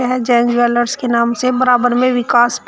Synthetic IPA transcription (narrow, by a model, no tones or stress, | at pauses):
ɦɛd͡ʒɛ̃ːɲd͡ʒʋɛːləɾskenaːmsebɐɾaːbəɾmẽʋɪkaːsp